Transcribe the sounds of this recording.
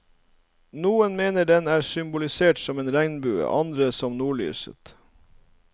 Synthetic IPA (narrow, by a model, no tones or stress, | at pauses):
nuːənmeːnəɖɛnæːɾsʏmbʊlɪseːʈsɔmeːnɾæŋnbʉːə̰ʔɑ̰nd̪ɾəsɔmnuːɭy̰ːsə̰t̪